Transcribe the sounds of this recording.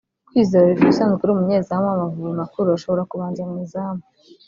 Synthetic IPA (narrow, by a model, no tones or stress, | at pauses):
kwiːzoɾoβivusaːnzɡeɾumuɲeːzamamavuβimakuɾuaʃo̞βo̞ɾakuβaːɲd͡ʒamŋiːzaːma